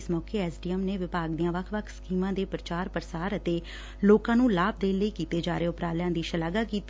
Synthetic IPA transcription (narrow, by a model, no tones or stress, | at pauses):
smɔːkeːɛːsɖiːɛmneːʋɪpaːɡd̪iːãːʋəkʰʋəkʰsə̥kiːmãːd̪eːpɾət͡ʃaːɾpəɾəsaːɾət̪eː | loːkãːnũːlaːb̚d̪eːnləiːkiːt̪eːd͡ʒaːɾeːʊpɾaːljãːd̪iːʃəlaːɡaːkiːt̪ː